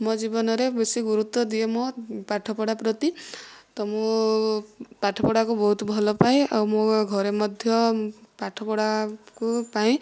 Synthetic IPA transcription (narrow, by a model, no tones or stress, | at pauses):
mɔd͡ʒibɔnɔɾebesiɡuɾut̪wɔd̪iemɔpaʈʰɔpɔɽapɾɔt̪it̪ɔmu | paʈʰɔpɔɽakubɔɦut̪bʱɔlɔpaĩawmoɡʱɔɾemɔd̪ʱjɔpaʈʰɔpɔɽakupaĩ